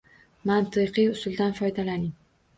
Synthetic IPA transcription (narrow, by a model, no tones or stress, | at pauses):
mant̪ʰɨqɨjʊsʊlˠd̪anfɒjd̪alanɪŋ